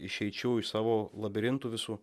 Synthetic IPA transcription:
ɪʃʲɛɪt͡ʃʲɛʊɪsɑːʋoːlˠɐbʲɪɾʲɪnt̪uʋʲɪsuː

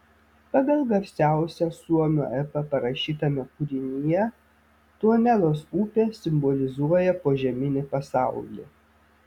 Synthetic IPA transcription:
pɐɡɐlˠɡɐɾʲsʲæˑʊsʲɛsuɔmʲṵːɛpɐpɐɾɐʃʲiːt̪ɐmʲɛkʊɾʲɪnʲɪjɛ | t̪uɔnʲɛlˠoːsuːpʲesʲɪmbɔlʲɪzuɔjɛpoːʒʲɛmʲɪnʲɪpɐsɑˑʊlʲḭːˑ

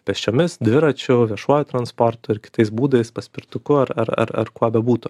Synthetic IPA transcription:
pʲɛsʲt͡ʃʲoːmʲɪsd̪ʲʋʲɪɾɐt͡ʃʲʊʋʲiɛʃuɔjʊt̪ɾɐnspɔɾt̪ʊɪɾkʲɪ̥t̪ɐɪsbuːd̪ɐɪspɐsʲpʲɪɾt̪ʊkʊɐɾɐ̰ɾɐ̰ɾɐ̰ɾkuɔbʲɛbuːt̪ʊ

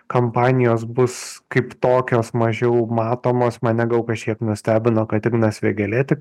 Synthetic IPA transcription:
kɐmpɑːnʲɪjoːs̬bʊskɐɪpt̪oːkʲoːsmɐʒʲɛʊmɑːt̪oːmoːsmɐnnʲɛɡɐʊkɐʃʲkʲiɛknʊsʲt̪ʲæːbʲɪnoːkɐt̪ɪɡnɐsʲʋʲeɡʲɛlʲɛt̪ʲɪk

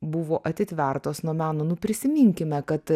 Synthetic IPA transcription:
bʊʋoːʔɐt̪ʲɪt̪ʲʋʲɛɾt̪oːsnuɔmʲæːnoːnʊpʲɾʲɪsʲɪmʲɪŋʲkʲɪmʲɛkɐt̪

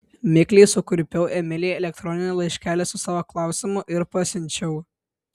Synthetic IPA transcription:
mʲɪklʲɛɪsʊkʊɾʲpʲɛʊʔɛmʲɪlʲeːɛlʲɛk̚t̪ɾɔːnʲɪnʲɛlˠɐɪʃʲkʲæːlʲɛsʊsɑːʋoklˠɑˑʊsʲɪmʊʔɪɾpɐsʲɪnʲt͡ʃʲɛʊ

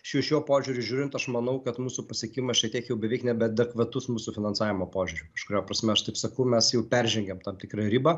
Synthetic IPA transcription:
ʃjuʃʲuɔpoːʒʲuːɾʲʊʒʲuːɾʲɪnt̪ɐʃmɐnɐʊkɐt̪muːsupɐsʲɛkʲimɐsʃʲɛt̪ʲiɛkjɛʊbʲɛʋʲɛɪknʲɛbʲɛd̪ʲɛkʋɐt̪ʊsmuːsufʲɪnɐnsɑːʋʲɪmoːpoːʒʲʊɾʲʊkɐʃkʊɾʲoːpɾɐsʲmʲɛɐʃt̪ɐɪpsɐkɐʊmʲɛsjɛʊpʲɛɾʲʒʲɛŋʲɡʲɛmt̪ɐmt̪ʲɪkɾɐɾʲiːbɐ

